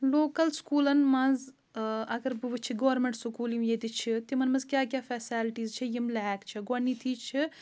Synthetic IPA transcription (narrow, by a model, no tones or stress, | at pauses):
loːkɐlskuːlɐnmɐ̃z | ɐɡɐɾbɨʋɨt͡ʃʰiɡoːɾmẽɳʈsukuːlimjet̪it͡ʃʰit̪imɐnmɐ̃zkʲjaːkʲjaːfɛːsaːlʈiːzt͡ʃʰijimlɛːkt͡ʃʰiɡɐnːiːt̪ʰiːt͡ʃʰi